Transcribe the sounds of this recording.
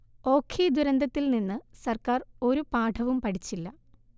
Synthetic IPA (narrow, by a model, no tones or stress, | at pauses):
o̞ːkʰiːd̪uɾɐnd̪ɐt̪ːilninːɨsɐrkaːro̞ɾupaːʈʰɐʋumpɐʈʰit͡ɕːilːɐ